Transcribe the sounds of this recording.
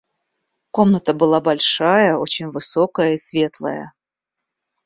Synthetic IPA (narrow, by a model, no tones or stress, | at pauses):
ko̞mnət̪əbɨlˠabɐlʲʂajəot͡ɕɪnʲvɨsokəjəisvʲe̞t̪lˠə̰jə̰